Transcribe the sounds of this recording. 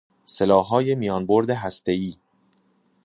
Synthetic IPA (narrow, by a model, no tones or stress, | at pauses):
selɒːɦɒːje̞mijɒːnboɾd̪eɦæst̪e̞iː